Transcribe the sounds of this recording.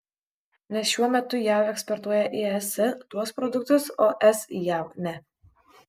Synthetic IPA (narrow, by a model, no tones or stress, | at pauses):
nʲɛsʃʲuɔmʲɛt̪ʊjæːwɛksʲpɔɾt̪uɔjɛʔiɛst̪uɔspɾɔd̪ʊk̚t̪ʊsoːʔɛsjæˑʊnʲɛ